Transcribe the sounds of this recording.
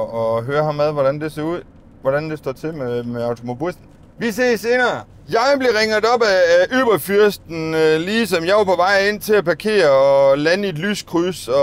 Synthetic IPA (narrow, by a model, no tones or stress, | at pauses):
ɒ̽ɦøːɐhɑ̈mːeð̞ˠʋɒdɾænd̥e̝se̝ɐuð̞̰ˠ | ʋɒɾænd̥e̝sd̥ɒ̰ːt͡sʰe̝memeɑ̈ʊt͡sʰo̝mo̝b̥isn̩ | ʋise̝̰ːse̝ːnɐː | jɑ̈ɪb̥le̝ʁeŋð̩ˠɒ̽b̥æøːb̥ɐfyɐsd̥n̩liːsɒ̽mjɑ̈ɪʋɑ̈pʰɒ̽ʋɑ̈ɪ̰e̝n̰t͡sʰe̝læpʰɑ̈kʰe̝̰ːɐɒ̽lænəe̝d̥ly̰ːskʰʁusɒ̽